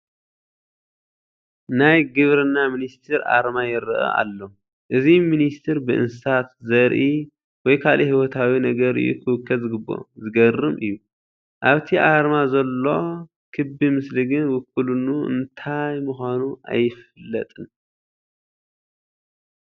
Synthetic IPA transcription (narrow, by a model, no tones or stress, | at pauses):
najɡɨβɾɨnːaminist̪ʰɨɾʔa̰ɾmajɪɾɐʔɐ̰ʔa̰lːo | ʔɨziminist̪ʰɨɾbɨʔɨ̰nsɨsat̪zɐɾʔi | wɔjkʰalʔihiwɔt̪ʰawinɐɡɐɾɨ̰jːṵkʰɨwɨkːɐzɨɡɨbːo̞̰zɨɡɐrɨmʔɨ̰jːu | ʔaβt̪ʰiʔaɾmazɐlːo̞ | kʰɨbimɨsliɡɨnwʊkːulunuɨ̰nt̪ʰajmuxʷanuʔa̰jːɪfɨlːɐ̰t̪ʼɨn